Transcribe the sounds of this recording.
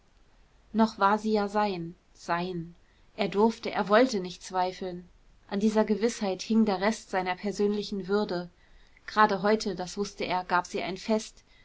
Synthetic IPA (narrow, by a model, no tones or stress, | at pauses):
nɔχv̥aːɐziːjaːzaɪn | z̥aɪn | ʔʔeːɐdʊɐftəʔḛːɐvɔltənɪçtt͡sv̥aɪfl̩n | ʔandiːzɐɡəvɪshaɪthɪŋdeːɐʁɛstz̥aɪnɐpʰɛɐzøːnlɪçn̩vʏɐdə | ɡ̥ʁaːdəɦɔʏtʰədasv̥ʊstəʔeːɐɡaːpz̥iːʔa̰ɪnfɛst